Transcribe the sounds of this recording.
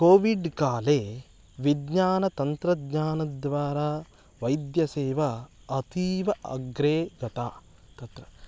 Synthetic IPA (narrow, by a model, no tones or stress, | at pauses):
koːʋiɖkaːleː | ʋid̪ɲaːnɐt̪ɐnt̪ɾɐd̪ɲaːnɐd̪ʋaːɾaː | ʋɐjd̪jɐseːʋɐː | t̪iːʋɐɐ̰ɡɾeːɡɐt̪aː | t̪ɐt̪ɾɐ